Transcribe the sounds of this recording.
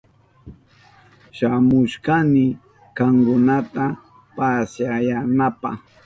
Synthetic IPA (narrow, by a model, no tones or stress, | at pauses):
ʃamʊʃkanɪ | kaŋkʊnat̪a | pasajanapa̰χ